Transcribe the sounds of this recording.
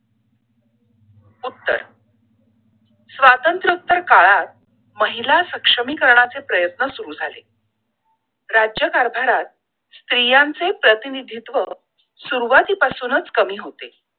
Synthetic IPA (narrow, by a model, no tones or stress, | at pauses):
ut̪ːə̰ɾ | sʋat̪ənt̪ɾəut̪ːəɾkaɭat̪̚ | məɦilasəkʂəmiːkəɾɳat͡sepɾəjət̪nəsuɾud͡zʱale | ɾad͡ʑjəkaɾb̪ʱaɾat̪̚ | st̪ɾijant͡sepɾət̪inid̪ʱit̪ʋə | suɾuʋat̪iːpasuːnət͡skəmiːɦot̪e